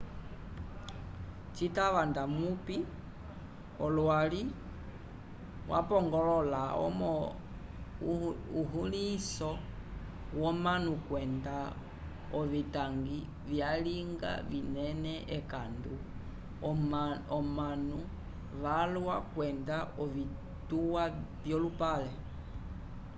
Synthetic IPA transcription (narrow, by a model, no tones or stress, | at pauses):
t͡ʃitaʋandamupi | ɔlwali | wʔa̰pɔŋɡɔlɔlaɔ̰mɔ | uɦulisɔ | wɔmanukwɛnda | ɔβitaŋɡi | βjaliŋɡa̰βinɛnɛʔɛkandu | ɔmanu | ʋalwakwɛndaɔʋi | tuwaβjɔlupalɛ